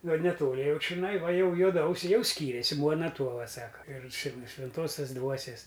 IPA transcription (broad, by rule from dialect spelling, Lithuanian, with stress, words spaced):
ˈɡɐlˠ nʲɛˈtoːlʲɪ ˈjɛʊ t͡ʃʲɪˈnɐɪ ˈʋɐ ˈjɛʊ juɔˈdɐʊsʲɛɪ ˈjɛʊ ˈsʲkʲiːrʲeːsʲɪ ˈmuɔnɐ ˈtuɔʋɐ ˈsɑːkɐ ɪr t͡ʃʲɪ nʊ ʃʲʋʲɛnˈtuɔsʲɛs ˈdʋuɔsʲeːs